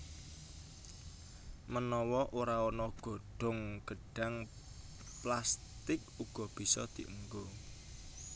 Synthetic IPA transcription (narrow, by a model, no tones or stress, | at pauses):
mənɔwɔʔoɾaɔnɔɡ̥ɔ̤ɖ̥ɔ̤ŋɡ̥əɖ̥a̤ŋ | plast̪ɪk̚ | uɡ̥ɔ̤b̥i̤sɔd̪̥i̤ʔəŋɡo